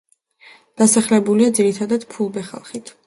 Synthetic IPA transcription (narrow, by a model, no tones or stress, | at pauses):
d̪̥asaχlɛbuliad̪ziɾit̪ʰad̪ad̪̥pʰulˠbɛχa̰lˠχit̪ʰ